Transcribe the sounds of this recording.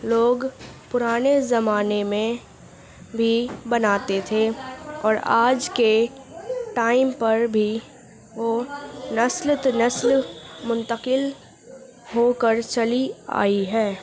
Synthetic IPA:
loːɡpʊɾaːnezɐmaːnemẽ | bʱibɐnaːt̪et̪ʰeɔːɾaːd͡ʒke | ʈaːɪmpɐɾbʱi | ʋonɐslt̪nɐslmʊ̃nt̪əqɪl | ɦokəɾt͡ʃɐlia̰ːiɦɛː

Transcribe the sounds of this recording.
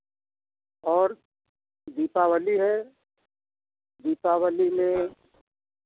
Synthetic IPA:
ɔːɾ | d̪iːpawəliɦɛ | d̪iːpawəlimẽ

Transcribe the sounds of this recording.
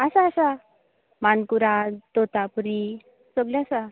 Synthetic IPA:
asaːsa | mankuɾat̪ot̪apuɾi | səɡljasa

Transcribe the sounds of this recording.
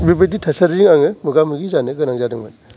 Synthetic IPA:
bibeditʰasaɾziŋaŋɯmɯɡamɯɡizanɯɡɯnaŋzadɯŋbɯ̰n

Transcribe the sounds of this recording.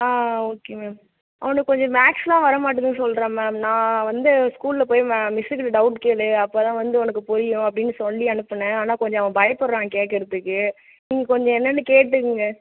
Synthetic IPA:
aːoːkemeːm | ʔɐʋɐnɯkːkːɔɲd͡ʒɔ̃maːʈslãːʋɐɾɐmaːʈ̬ːɯðɯnɯsɔlɾẽːmɛːmnãːʋɐnd̪ɯskuːllɐpoːjmːmɪsɪkɐlɖɐʊʈkeːlɯɐpːoːt̪ãːʋɐnd̪ɯɔnɐkːɯpʊɾɪjʊ̃ɐpːɐɽɪnːɯsɔlːiɐnɯpːɐɳːɛ̃aːnaːkɔɲd͡ʒɔ̃ɐʋɐ̃bɐjɐpːɔɾɾãːkeːʈːɪɾɯt̪ːɯkːɯ | niːŋɡɐkɔɲd͡ʒɔ̃ɛnːɐnːɯkeːʈːɯkːɯŋɡɐ

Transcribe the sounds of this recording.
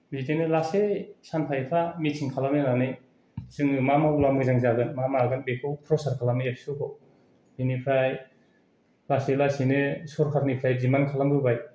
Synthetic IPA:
bitenɯlasesanpʰajpʰamitʰiŋkʰalamnɯnanɯj | zɯŋɯmamaulamɯzaŋzaɡɯnmamaɡɯnbekʰowpʰɾɔsaɾkʰalamnɯjapʰsukʰɔw | binipʰaj | laselasinɯsɔɾkʰaɾnipʰɾajd͡ʒimankʰalambɯbaj

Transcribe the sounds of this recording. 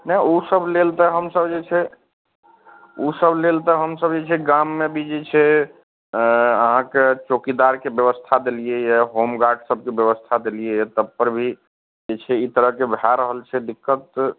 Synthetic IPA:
nɛusəblelt̪əɦəmsəbd͡ʒet͡ʃʰɛ | usəblelt̪əɦəmsəbd͡ʒet͡ʃʰɛɡamːebʱid͡ʒet͡ʃʰɛ | əɦãket͡ʃokid̪aɾkebjəbəst̪ʰad̪elijejɛɦomɡaksəb̚ʱkebjəβəst̪ʰad̪elijejt̪əbpəɾbʱi | d͡ʒet͡ʃʰɛit̪əɾəɦkebʱaɾəɦəlt͡ʃʰɛd̪ikːət̪̚

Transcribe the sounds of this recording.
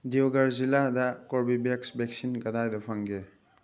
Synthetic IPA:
diwɡaɾziladakoɾbibeksbeksinɡɐdajdɔpʰaŋɡe

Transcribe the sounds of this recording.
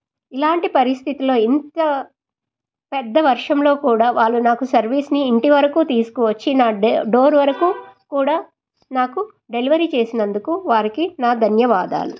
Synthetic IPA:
ilaːɳʈipɐɾist̪ʰit̪ilo̞ːint̪ɐ | pɛd̪ːɐʋɐɾʂɐmlo̞ːkuːɽaːʋaːɭːunaːkusɐɾʋiːsniːɳʈiʋɐɾɐkuːt̪iːsu̥kuʋɐt͡ʃːinaːɖo̞ːɾʋɐɾɐkuːkuːɽaː | naːku | ɖe̞liʋɐɾit͡ʃe̞ːsinɐnd̪ukuʋaːɾikinaːd̪ʱɐnjɐʋaːd̪a̰ːlu

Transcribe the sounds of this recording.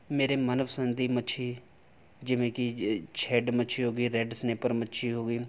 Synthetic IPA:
meːɾeːmənəpʰsənd̪iːmətːt͡ʃʰiː | d͡ʒɪʋẽːkit͡ʃʰɛːɖmətːt͡ʃʰiɦoːɡiːɾɛɖsneːpəɾmətːʃʰiɦoːɡiː

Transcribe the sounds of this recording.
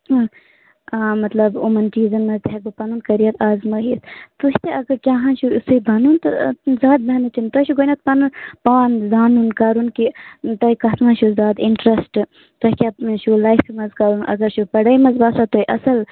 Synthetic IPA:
amɐt̪lɐbumɐnt͡ʃiːzɐnmɐzt̪ɦeɡupɐnuːnkɐɾijɐt̪aːzməːɦist̪uʃt̪eɐɡɐɾkʲaːɦãːnʃusuibʱɐnunt̪ɨzaːd̪̚bɐɐnɨt͡ʃint̪oʃuɡoːnɐt̪̚pɐnunpaːnzaːnunkaɾunkit̪ɐikɐt̪nãʃuzaːd̪iɳʈɾɐsʈ | t̪oɦkʲaːʃulɐːjfmɐzkaːɾuːnʔɐ̰ɡɐɾʃupɐɽɐjmɐzbaːsat̪oːjʔɐsɐl

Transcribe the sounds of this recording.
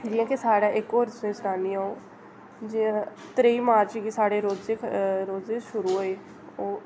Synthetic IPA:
d͡ʒɪãːkɪsaːɽaːʔɪkoːɾsẽːsʊnaːnĩːaːõː | d͡ʒ̃t̪ɾeiːmaːɾt͡ʃɡisaːɽeːɾoːzeːɾoːzeːʃʊɾuːɦoːeː | oː

